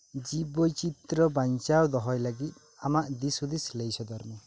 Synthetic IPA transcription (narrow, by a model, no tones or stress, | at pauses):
d͡ʒibɔjt͡ʃit̪ɾɔbant͡ʃawd̪ɔɦɔjlaɡit̪̚ | amaʔd̪isud̪islejsɔd̪ɔɾmɔ